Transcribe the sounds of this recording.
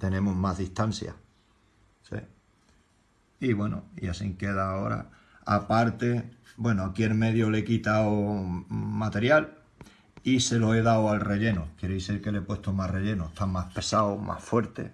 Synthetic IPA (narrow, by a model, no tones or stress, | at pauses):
t̪e̞nẽ̞muɦmazðiht̪an̟θja̰ | sḛ | iβwe̞no̰ḭasiŋke̞ð̞aːo̞ɾa̰ | apaɾt̪e̞bwe̞noakje̞ɾme̞ðjole̞kit̪awo | mat̪e̞ɾjal | ise̞loe̞ðawalre̞ʎe̞nokjeɾoiseɾkelepwe̞ht̪omare̞ʎe̞noest̪amaspe̞sawomʔa̰sfwe̞ɾt̪e̞̰